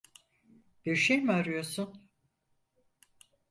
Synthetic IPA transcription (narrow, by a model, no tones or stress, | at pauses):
b̥iɾʃejmaɾɯjo̞sun